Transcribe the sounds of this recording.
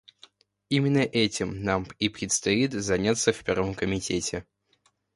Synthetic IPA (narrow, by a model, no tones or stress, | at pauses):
imʲɪnːəʔɛtʲɪmnamipɾʲɪt̪st̪ɐit̪zɐnʲat̪səfpʲervəmkəmʲɪtʲetʲɪ